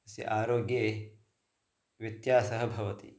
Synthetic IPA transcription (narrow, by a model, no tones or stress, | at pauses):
ɐsḭʔaːɾoːɡjeː | ʋit̪jaːsɐɦɐ̆bʱɐʋɐt̪ḭ